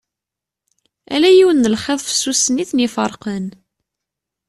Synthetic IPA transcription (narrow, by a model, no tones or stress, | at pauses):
æ̰læjiwənːəlχeðˤfə̥sːusəniθnifəɾˤqən